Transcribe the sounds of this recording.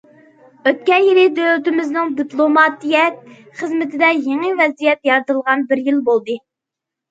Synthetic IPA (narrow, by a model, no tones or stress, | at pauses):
øt̪̚kʲɛjilɪd̪ølyt̪ɪmɪznɪŋd̪iplˠomɑt̪ijɛt̪̚ | χəzmɪt̪ʰɪd̪ɛjeŋɨvɛzijɛt̪jɑɾɨt̪ɨlˠʁɑnbɪɾjilbolˠd̪ɨ